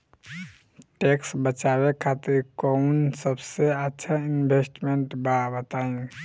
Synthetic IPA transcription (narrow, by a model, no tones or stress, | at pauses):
ʈeksbət͡ʃaβekʰat̪iɾkəunsəbseətːʃʰainbʱesʈmeɳʈbabət̪aĩ